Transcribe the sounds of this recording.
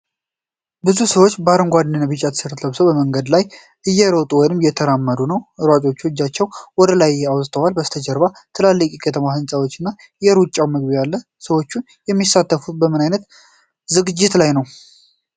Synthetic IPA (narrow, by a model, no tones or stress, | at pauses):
bɨzusəwo̞t͡ʃːbəaɾəŋɡʷad̪nənːabɨt͡ʃʼːat̪ʰsɨɾt̪ʰləβsəwbəməŋɡəd̪laj | ʔɨjːɛɾot̪ʼuwɔjnɨmjɛt̪ʰəɾamːəd̪unəwʔɨɾwat͡ʃʼo̞t͡ʃːod͡ʒat͡ʃːɛwwɔd̪əlajjɛawsʼt̪ʰəwalbəst̪ʰəd͡ʒɛɾbat̪ʰɨlalːəkʼɛkʰət̪ʰəmahɨnsʼawo̞t͡ʃːɪnːa | jɛɾut͡ʃʼːawmɨɡbijalːə | səwo̞t͡ʃːun | jɛmːisat̪ːəfut̪bəmɨnajnət̪ | zɨɡɨd͡ʒːɪt̪lajnəw